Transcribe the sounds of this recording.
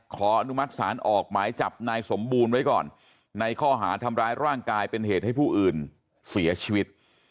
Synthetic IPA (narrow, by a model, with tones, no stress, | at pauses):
kʰɔː˩˦ʔa˧nu˦˥ma˦˥t̪̚saː˩˦nʔɔː˨˩k̚maː˩˦jt͡ɕa˨˩p̚naː˧jso˩˦mbuː˧nwa˦˥jkɔː˨˩nː | a˧jkʰɔː˥˩ɦaː˩˦t̪ʰa˧mɾaː˦˥jɾaː˥˩ŋkaː˧jpe˧nheː˨˩t̪̚ha˥˩jpʰuː˥˩ʔɯː˨˩n | si˩˦ɐt͡ɕʰiː˧wi˦˥t̪̚